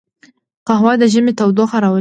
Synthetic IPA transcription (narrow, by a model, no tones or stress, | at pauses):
qaɦwɑd̪əʒəmet̪awd̪oxaɾɑwə